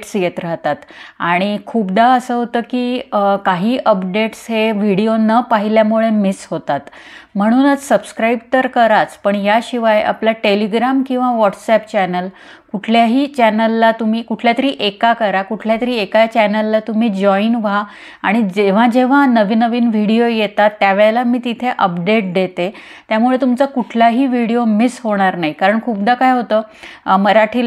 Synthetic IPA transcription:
ʈsjet̪ɾaɦt̪at̪aɽ̃ikʰuːpd̪aəsəːɦot̪əːkiːkaɦiːʔəpɖeʈsɦeʋiɽijonəpaɦiljamuɭemisɦot̪at̪m̤əɽ̃uːnət͡ssəbskɾaibt̪əɾkəɾat͡spəɳjaɕiʋajʔa̰pljaʈeliɡɾamkĩw̃ʋaʋɔʈsɛpt͡ɕɛnəl | kuʈʰljaɦiːt͡ɕɛnəlːat̪um̤iːkuʈʰljat̪əɾiːʔekakəɾakuʈʰljat̪əɾiːekat͡ɕɛnəlːat̪um̤iːd͡ʑɔinʋa | aɽ̃id͡ʑeʋ̤ad͡ʑeʋ̤anəʋiːnəʋiːnʋ̤ʱiɽijojet̪at̪ːjaʋeɭelamiːt̪it̪ʰeʔəpɖeʈ̚d̪et̪e | t̪jamuɭet̪umt͡sakuʈʰlaɦiːʋiɽijomisɦoɽ̃aɾnaɦikaɾəɳkʰuːp̚d̪akajɦot̪əːməɾaʈʰiːl

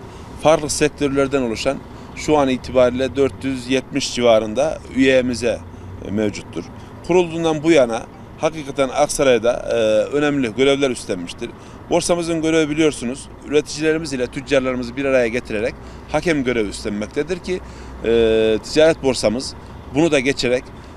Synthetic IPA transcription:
faɾklˠɯsɛc̚t̪ʰø̞ɾlʲæɾd̪ænolˠuʃan | ʃuaniːt̪ʰibaːɾiːlʲɛd̪øɾt̪ʰjyzjɛt̪miʃd͡ʒivaːɾɯnd̪ayjemizɛ | mevd͡ʒut̪ʰːuɾ̥ | kʰuɾulˠd̪uːnd̪anbujana̰ | hakiːkʰat̪ʰæna̰ksaɾajad̪a̰ø̞nɛmlʲiɟø̞ɾevlʲæɾyst̪ʰænmiʃt̪ʰiɾ̥ | bo̞ɾsamɯzɯnɟø̞ɾevɛbilijo̞ɾsunuz | yɾet̪ʰi̥d͡ʒilʲe̞ɾimizilʲɛt̪ʰyd͡ʒd͡ʒaɾlˠaɾɯmɯzɯbiɾaɾajaɟet̪ʰiɾeɾɛc | hacɛmɟø̞ɾɛvyst̪ʰæmːɛc̚t̪ʰɛd̪iɾcʰi | t̪ʰi̥d͡ʒaːɾɛt̪̚bo̞ɾsamɯz | bunud̪aɟet͡ʃʰeɾɛc

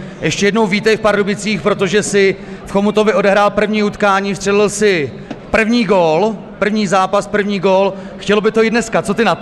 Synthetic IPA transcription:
jʔɛʃcɛjɛdno̞wviːt̪ɛɪfpaɾdubɪt͡siːxpɾo̞t̪o̞ʒɛsɪfxo̞mut̪o̞vɪʔo̞dɛɦɾaːlpr̩vɲiːut̪kaːɲiːfst̪r̥ɛlɪlsɪ | pr̩vɲiːɡol | pr̩vɲiːzaːpaspr̩vɲiːɡol | xcɛlobɪt̪ojidnɛskat͡so̞t̪ɪna

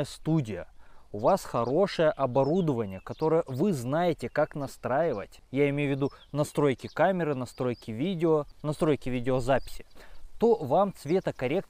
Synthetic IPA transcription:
jəst̪udʲɪjə̰ʊvasxɐɾo̞ʂəjəʔɐbɐɾud̪əvənʲɪjəkɐt̪o̞ɾəjəvɨznajɪtʲɪkaknɐst̪ɾajɪvə̰tʲjaɪmʲejʊvʲɪd̪u | nɐst̪ɾo̞jkʲɪkamʲɪɾɨnɐst̪ɾojkʲɪvʲidʲɪonɐst̪ɾo̞jkʲɪvʲidʲɪozapʲɪ̥sʲɪ̥t̪o̞vamt̪svʲe̞t̪əkɐɾʲe̞k̚t̪

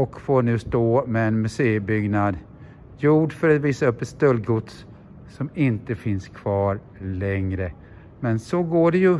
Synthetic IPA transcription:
ɔkfoːɳʉ̟ːst̪oːmɛɛnmɵseːəbʏɡnad̪ | juːɖfœɾat̪viːsaɵpːɛt̪st̪œlːɡʊt̪s | sɔmɪnt̪əfɪnskʰv̥ɑːɾ | lɛŋɾə | mɛnsɔɡoːɖɛjɵ

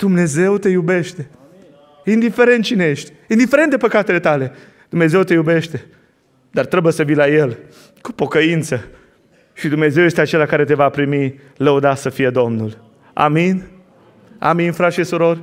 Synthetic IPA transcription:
d̪̥umne̞ze̞wt̪e̞jube̞ʃt̪e̞ | ind̪ife̞ɾe̞nt̪̚t͡ʃinejeʃt̪ʲind̪ifeɾent̪d̪epəkat̪e̞le̞t̪ale̞ | d̪̥umne̞ze̞wt̪e̞jube̞ʃt̪e̞ | d̪art̪ɾebujesəvijlaje̞l | ku̥po̞kəint̪sə | ʃid̪umne̞ze̞wje̞st̪eat͡ʃe̞lakaɾe̞t̪e̞vapɾimi | ləud̪asəfije̞d̪o̞mnul | a̰min | a̰minfɾaʃisuɾo̞rʲ

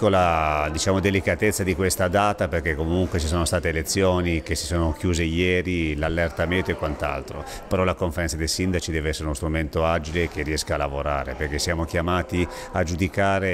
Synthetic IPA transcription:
olad̪it͡ʃaːmod̪elikat̪et̪sːad̪ikwest̪ad̪aːt̪aperk̟ekːomuŋkwet͡ʃis̬oːnost̪aːt̪elet̪sːjoːnikesi̥soːnok̟juːzejɛːɾilalːert̪amẽnt̪oekwant̪a̰lt̪ɾo̰ | peɾɔlakoɱfeɾɛnsad̪ejsind̪at͡ʃid̪ɛːveɛsːeɾeunost̪ɾument̪oaːd͡ʒilek̟erːiɛskaːlːavoɾa̰ːɾḛperk̟esːjaːmokjamaːt̪i | ad͡ʒud̪ikaːɾe

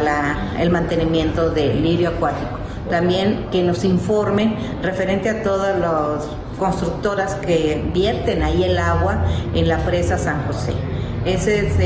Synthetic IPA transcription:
laḛlmãnt̪e̞nimje̞nt̪o̞ðe̞liɾjoakwat̪iko̥ | t̪ambje̞ŋke̞no̞siɱfo̞ɾme̞n | re̞fe̞ɾe̞nt̪eat̪o̞ðozlos | ko̞nst̪ɾuk̚t̪o̞ɾaskebje̞ɾt̪e̞naielaɣwaenlafɾe̞sasaŋxo̞se̞̰eses

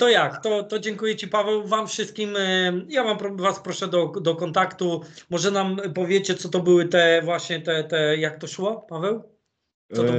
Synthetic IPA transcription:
t̪ɔjakt̪ɔt̪ɔd͡ʑɛŋkujɛt͡ɕipavɛwvamfʂɘst̪̚kʲimjavampɾɔvaspɾɔʂɛd̪ɔd̪ɔkɔnt̪akt̪umɔʐɛnampɔvʲjet͡ɕɛt̪sɔt̪ɔbɘwɘt̪ɛvwaɕɲɛt̪ɛt̪ɛjak̚t̪ɔʂwɔpavɛw̪ | ɔɔ

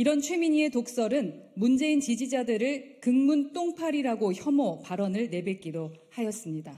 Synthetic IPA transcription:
iɾʌnt͡ɕʰwe̞miɲie̞tok̚s͈ʌɾɯnmund͡ʑe̞int͡ɕid͡ʑid͡ʑadɯɾɯɭkɯŋmunt͈oŋpʰaɾiɾaɡoçjʌmopaɾʌnɯɭne̞bek͈idohajʌs͈ɯmɲida

